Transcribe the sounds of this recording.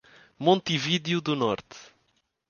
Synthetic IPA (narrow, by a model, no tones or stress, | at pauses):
mõnt̪iviðjuðunɔɾt̪